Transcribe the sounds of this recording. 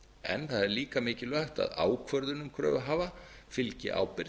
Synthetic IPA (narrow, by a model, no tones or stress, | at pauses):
ɛ̰nθaðɛɾliːkamɪːcɪlœht̪a̰ðaːwkʰvœɾðʏnʏmkʰɾœ̰ːvaɦaːvafɪlcɪ̰ʔa̰wpɪɾ